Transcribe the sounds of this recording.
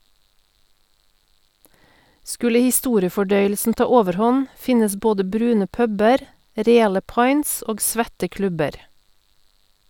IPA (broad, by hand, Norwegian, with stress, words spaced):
ˈskʉlə hɪˈstuːɾɪəfɔˌɖœʏəlsn̩ ˈtɑː ˈoːʋəɾˌhɔn ˈfɪnəs ˈboːdə ˈbɾʉːnə ˈpœbəɾ ˈɾeːɑlə ˈpɑɪns ˈoːɡ ˈsʋɛtə ˈklʉbəɾ